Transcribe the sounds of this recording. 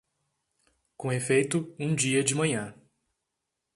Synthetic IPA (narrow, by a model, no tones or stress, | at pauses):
kõefejt̪ʊũd͡ʒiɐd͡ʒɪmɐ̃ɲɐ̃